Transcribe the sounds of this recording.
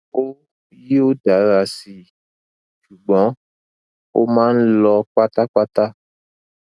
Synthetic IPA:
o˦ | ji˦o˦da˨˦ɾa˨si˨ | ʃu˨ɡ͡bɔ̃˨˦ | wo˦mã˦n̩˦lɔ˧k͡pa˦t̪a˦k͡pa˦t̪a˦

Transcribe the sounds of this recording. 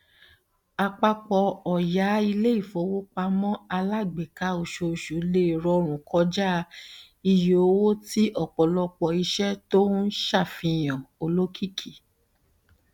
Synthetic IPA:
a˧k͡pa˧k͡pɔ˧ɔ˨ja˨˦i˧le˦i˦˨fo˨˦wo˦k͡pa˧˦mɔ̃˦a˧la˦˨ɡ͡be˨ka˨˦o˨ʃo˧˨ʃo˨˦le˦˨ɾɔ˧˦ɾ̃ũ˨kʰɔ˧˦d͡ʒa˦ | i˧jo˨o˧˦wo˦ti˦ʔɔ˦˨k͡pɔ˨lɔ˧k͡pɔ˧i˧ʃɛ˦to˦n̩˦ʃa˦˨fĩ˧j̃ɔ̃˨o˧lo˦kʰi˦kʰi˦˨

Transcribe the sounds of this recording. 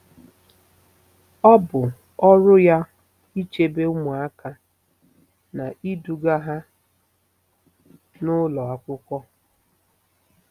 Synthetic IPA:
ɔ˦bʊ˨ | ɔ˦ɾʊ˦ja˦ | i˦t͡ʃe˦be˦ʊ˦mʊ˨a˦ka˨ | na˨ʔi˦du˨ɡa˦ɦa˦ | nʊ˦lɔ˨a˦kʷʊ˦kʷɔ˦

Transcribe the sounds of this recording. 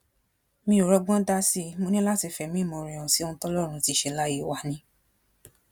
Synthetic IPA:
mĩ˧˦o˨ɾɔ˧ɡ͡bɔ̃˦da˦si˧mo˧nĩ˦la˦ti˧fɛ˨mĩ˨˦˨mõ˧˨ɾĩ˨ɔ̃˨si˨˦o˧ñ̩˦tɔ˦lɔ˦˨ɾ̃ũ˧˦ti˨˧˦ʃɛ˧la˦ji˧˦wa˨˧˨nĩ˧˦

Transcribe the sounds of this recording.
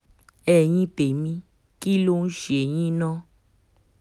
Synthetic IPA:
ɛ˦˨j̃ĩ˦pe˨mĩ˧ | ki˦lo˦˧n̩˦ʃe˨j̃ĩ˦nã˦

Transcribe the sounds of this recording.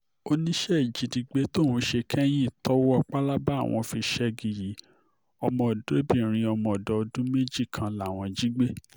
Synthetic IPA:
o˦nĩ˦ʃɛ˦i˨d͡ʒi˨di˨˧ɡ͡be˨˦to˦˨hũ˨˧˦ʃe˧kʰɛ˦j̃ĩ˦˨tɔ˦wɔ˦a˦˧k͡pa˦la˦ba˦˨w̃ɔ̃˧fi˧ʃɛ˦ɡi˨ji˨˦ | ɔ˧mɔ̃˧˨do˨˦e˦bĩ˦˨ɾ̃ĩ˧ɔ˧mɔ̃˧ɔ˨dɔ˨˧dũ˦me˦d͡ʒi˦˨kʰã˨la˨w̃ɔ̃˧d͡ʒi˦ɡ͡be˦

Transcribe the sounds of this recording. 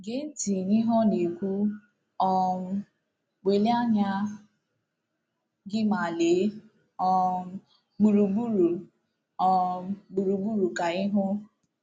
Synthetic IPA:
ɡe˦n̩˦ti˨ni˦ɦɔ˦ne˨kʷu˦ | ɔ˦m̩˦ | ɡ͡be˨le˦a˦ɲa˦ | ɡɪ˦ma˨le˨˦ | ɔ˦m˦ | ɡ͡bu˨ɾu˨ɡ͡bu˦ɾu˨ | ɔ˦ɡ͡bu˨ɾu˨ɡ͡bu˦ɾu˨ka˨ɪ˦ɦʊ˦

